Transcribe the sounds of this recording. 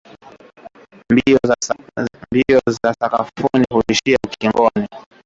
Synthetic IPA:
m | miɔzasaka̰funihuiʃiakiŋɡɔni

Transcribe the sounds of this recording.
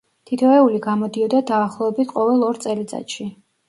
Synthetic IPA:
t̪ʰit̪ʰɔɛuliɡamɔd̪iɔd̪ad̪aːχlˠɔɛbit̪ʰqʼɔvɛlˠɔɾt̪sʼɛlit̪sʼa̰t̪ʃi

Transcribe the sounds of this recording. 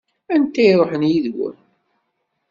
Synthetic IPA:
ænt̪ːæiɾˤoħənjiðwə̰n

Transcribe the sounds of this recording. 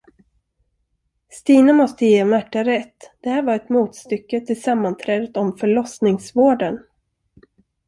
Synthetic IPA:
st̪iːnamɔst̪əjeːmæʈːaɾɛt̪ːd̪̥ɛhæːɾvaɾɛt̪muːt̪st̪ʏkːət̪ʰɪlsamːant̪ʰɾɛːd̪ət̪ɔmfœɭɔsnɪŋsvoːɖən

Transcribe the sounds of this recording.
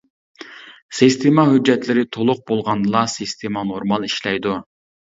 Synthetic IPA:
sist̪ʰemɑɦyd͡ʒːɛt̪lɪɾɪt̪ʰolˠʊq̚bolˠʁɑnd̪ɨlˠɑsist̪ʰemɑnoɾmɑlˠiʃlɛjd̪u

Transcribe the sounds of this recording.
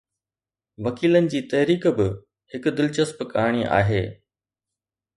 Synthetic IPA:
ʋɐkiːlənɪ̆d͡ʑiːt̪ɐɦɾiːkbɪ | hɪkʊd̪ɪlt͡ɕəspkaːɽ̃iʔa̰ːɦeː

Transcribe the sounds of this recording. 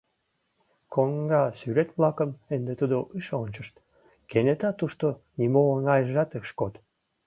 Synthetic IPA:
koŋɡɑsyɾet̪βlɑkəmend̪et̪ud̪oʔɨʃonʲt͡ɕəʃt̪ | kenet̪ɑt̪uʃt̪o | nimoəŋɑjəʒɑt̪ekʃkot̪

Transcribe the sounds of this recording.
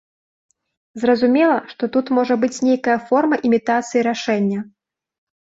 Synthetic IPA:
zrɐzumʲɛlˠɐʂt̪ɔt̪ut̪mɔʐɐbɨt͡sʲnʲejkɐjɐfɔrmɐʔimʲit̪at̪sɨjiɾaʂɛnʲːɐ

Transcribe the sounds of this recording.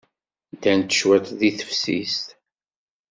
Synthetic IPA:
d̪ænt̪ːə̥ʃwæt̪ðiθə̥fsḭst̪

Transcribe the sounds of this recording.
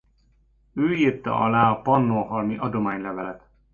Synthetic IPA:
øːiːrt̪ɒ̰ʔɒlaːɒpɒnːoːɦɒlmiʔɒd̪o̞maːɲlɛvɛlɛt̪

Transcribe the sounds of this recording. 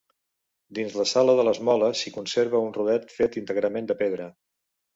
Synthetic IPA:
d̪inzləsaləðələzmɔləsikunseɾβ̞əunruðɛt̪fet̪int̪əɣɾəmend̪əpeðɾə

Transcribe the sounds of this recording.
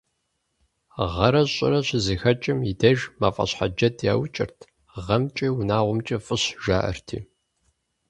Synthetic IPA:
ʁɐɾɐɕʼɪ̰ɾɐɕzixɐt͡ʃʼɪmidɐʒmaːfʼɐ̰ɕħa̰d͡ʒɐdʰja̰ːwt͡ʃʼɪ̰rtʰ | ʁɐmt͡ʃʼiwunaːʁʷʊmt͡ʃʼɐfʼɨɕʒaːʔɐ̰rtʰḭː

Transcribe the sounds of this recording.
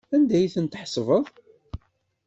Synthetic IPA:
ænd̪æjθənt̪ħsˤvəðˤ

